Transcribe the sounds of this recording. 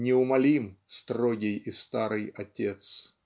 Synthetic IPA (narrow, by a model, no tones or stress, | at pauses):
nʲɪʊmɐlʲimst̪roɡʲɪjist̪aɾɨjɐtʲet̪s